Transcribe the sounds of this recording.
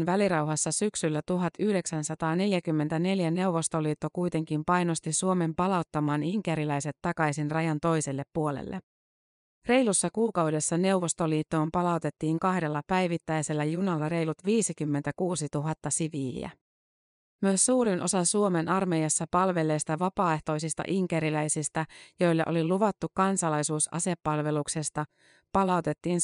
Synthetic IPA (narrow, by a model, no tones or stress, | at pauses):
nʋæliɾɑwɦɑsːɑsyksylːæt̪uɦɑt̪yhde̞ksænsɑt̪ɑːne̞ljækymːe̞nt̪æne̞ljæne̞wʋo̞st̪o̞liːt̪ːo̞kujt̪e̞ŋkimpɑjno̞st̪isuo̞me̞mpɑlɑut̪ːɑmɑːniŋkeɾilæjse̞t̪ːɑkɑjsinrɑjɑnt̪o̞jselːe̞pːuo̞lḛlːḛ | re̞jlusːɑkuːkɑwde̞sːɑne̞uʋo̞st̪o̞liːt̪ːo̞ːmpɑlɑwt̪e̞t̪ːiːŋkɑhde̞lːɑpæjʋit̪ːæjse̞lːæjunɑlːɑɾe̞jlut̪ʋiːsikymːe̞nt̪ækuːsit̪uɦɑt̪ːɑsiʋiːæ̰ | myøsːuːɾinʔo̞sɑnsuo̞me̞nɑrmejɑsːɑpɑlʋe̞le̞jst̪ɑʋɑpɑːe̞ht̪o̞isist̪ɑ̰ʔiŋkeɾilæjsist̪æjo̞jlːeʔo̞liluʋɑt̪ːukkːɑnsɑlɑjsuːsɑ̰se̞pːɑlʋe̞lukse̞st̪ɑ | pɑlɑut̪e̞t̪ːiːn